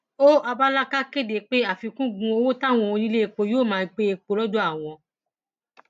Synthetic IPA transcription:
o˦ʔa˧ba˦la˦ka˦ke˦de˨k͡pe˦a˦˨fi˧kũ˦ɡũ˧o˧wo˦ta˦˨w̃ɔ̃˨˧ĩ˦le˦e˧˨k͡po˧joː˦˨mãː˨˦˧k͡pe˦e˧k͡po˧lɔ˦d͡ʒo˦a˦˨w̃ɔ̃˧

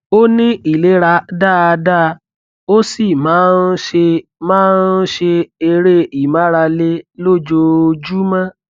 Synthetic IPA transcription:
o˦nĩ˦i˦˨le˨˦ɾa˧da˦˨˧da˦˧ | o˦si˦˨mãː˨˦n˦ʃe˧mãː˦n̩˦ʃe˧e˧ɾe˦i˨mã˨˦ɾa˧le˦lo˦˨d͡ʒo˧d͡ʒu˦mã˦

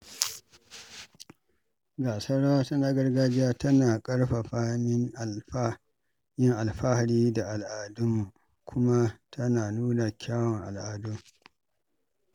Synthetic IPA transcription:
ɡaː˨sɐ˦ɽa˦tɐ˦naː˦ɡɐ˦rɡaː˦d͡ʒɪ˦jaː˦tɐ˦naː˨kʼɐ˦ɽɸa˨ɸaː˦hmɪ˦ŋ˨˦ | jɪ˦ŋʔa˨lɸa˦ha˨ɽiː˦da˨ʔa˨lʔaː˨dʊ˦mu˨ | kʷʰʊ˦ma˦tʰɐ˦naː˨nuː˦na˨kʲaː˦wɔ˨ŋʔa̰˨lʔaː˨du˦

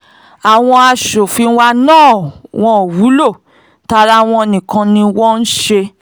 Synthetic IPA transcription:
a˨w̃ɔ̃˧a˧ʃo˨fi˨˧˦wa˧nãː˦˨w̃ɔ̃˧o˨wu˨˦lo˦˨ | ta˧ɾa˧˨w̃ɔ̃˧o˧nĩ˨kã˧nĩ˧wɔ˦n̩˦ʃe˧

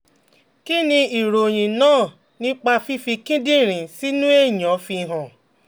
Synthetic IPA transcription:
ki˦nĩ˧i˨ɾo˨j̃ĩ˨nãː˦˨ | nĩ˦k͡pa˧fi˧˦fi˧kĩ˦dĩ˦˨ɾ̃ĩ˨si˦nũ˦e˦˨ɲɔ̃˨˦fi˧ɦɔ̃˨

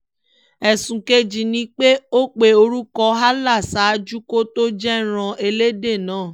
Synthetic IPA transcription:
ɛ˨sũ˨ke˧d͡ʒi˨nĩ˧k͡pe˦o˦k͡pe˨o˧ɾu˦kɔ˧˦ɦa˦la˦˨sa˨˦d͡ʒu˦ko˦to˦d͡ʒɛ˦ɾ̃ã˧ʔe˧le˦de˦˨nãː˨˦˨

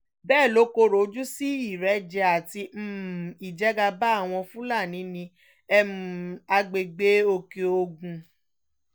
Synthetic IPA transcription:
bɛː˦˨lo˨˦ko˧ɾo˨˦d͡ʒu˦si˦i˦˨ɾɛ˨˦d͡ʒɛ˧˦a˨ti˧m̩˦˨i˨d͡ʒɛ˨˦ɡa˧ba˦˨w̃ɔ̃˧fũ˦la˦˨nĩ˨˦nĩ˧ | ɛ˦mũ˨a˧ɡ͡be˨ɡ͡be˦o˧ke˧o˧ɡũ˧

